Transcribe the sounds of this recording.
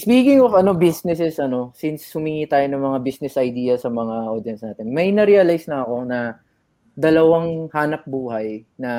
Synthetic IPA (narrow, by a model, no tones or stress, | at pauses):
spiːkɪŋofɐno̞bisnɛsɛsʔɐno̞sinshʊmiŋiːt̪aːjonɐŋmɐŋabisnɛsʔɐjd̪iːjɐsɐmɐŋaʔoːd̪jɐnsnaːt̪ɪnmɐjnɐɾiːɐlajsnɐɐko̞nɐ | d̪ɐlɐwaŋhaːnɐp̚buːɦɐjnɐ